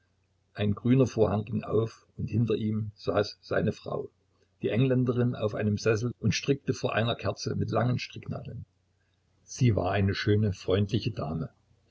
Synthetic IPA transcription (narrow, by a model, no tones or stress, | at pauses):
ʔaɪnɡʁyːnɐfoːɐhaŋɡɪŋʔa̰ʊf | ʊnthɪntɐʔiːmz̥aːsz̥a̰ɪnəfʁ̥a̰ʊ | d̥iːʔɛŋlɛndəʁɪna̰ʊfʔa̰ɪnəmzɛs̬l̩ʔʊntʃtʁ̥ɪk̚təfoːɐʔa̰ɪnɐkʰɛɐt͡sə̰mɪtlaŋənʃtʁ̥ɪkna̰ːdl̩n | z̥iːva̰ːɐʔaɪnəʃøːnəfʁ̥ɔʏntlɪçəda̰ːmə